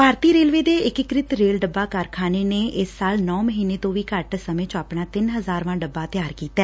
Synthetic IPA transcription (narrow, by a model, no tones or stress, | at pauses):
paːɾt̪iːɾeːlʋeːd̪eːɪkɪkɾɪt̪ɾeːlɖəbːaːkəɾkʰaːneːneːʔɪsːaːlnɔːməɦiːneːt̪õːʋiːkəɾʈsəmẽːt͡ʃõaːpɳaːt̪ɪnɦəzaːɾʋãːɖəbːaːt̪jaːɾkiːt̪ɛː